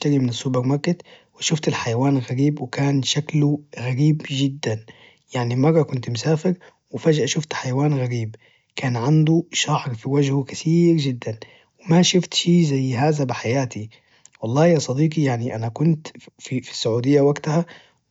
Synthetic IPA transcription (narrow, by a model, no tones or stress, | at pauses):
t̪aɣimɪnɪsːubɪɾmakːɪt̪wɪʃʊft̪alħajawaːnɣaɾiːbwɪkaːnʃakluɣaɾiːbd͡ʒɪd̪ːan | jaʕnimɑrˤːɑkʊnt̪mʊsaːfɪɾ | wɪfaʒʔaʃʊft̪ħajawaːnɣaɾiːb | kʰaːnʕand̪uʃaʕɾfiwad͡ʒhukaθiːɾd͡ʒɪd̪ːan | wɪmaʃʊft̪ʃiːzajːɦaːzabɪħajaːt̪i | wɑlˤːɑːjɑsˤɑd̪iːqijaʕniʔanakʊnt̪fifi̥sːʊʕuːd̪ɪjːawaɡt̪aha